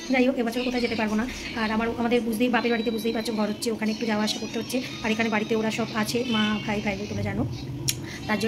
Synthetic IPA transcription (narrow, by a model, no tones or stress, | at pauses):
d͡ʑajoʔebat͡ɕʰoɾekot̪ʰajd͡ʑet̪epaɾbona | aɾamaɾamad̪eɾbud͡ʑʱd̪ibapeɾbaɽit̪ebud͡ʑʱd̪ibat͡ɕʰoɡʱɔɾotːɕʰeokʰaneekʈud͡ʑaoaaʃakoɾt̪eɦotːɕʰe | aɾekʰanebaɽit̪eoɽaʃɔbat͡ɕʰemabʱajbʱajlot̪omed͡ʑano | t̪aɾd͡ʑo